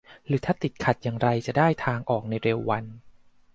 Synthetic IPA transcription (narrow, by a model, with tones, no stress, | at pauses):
ɾɯː˩˦t̪ʰaː˥˩t̪i˨˩t̪̚kʰa˨˩t̪̚jaː˨˩ŋɾa˧jt͡ɕa˨˩daː˥˩jt̪ʰaː˧ŋʔɔː˨˩k̚na˧jɾeː˧wːa˧n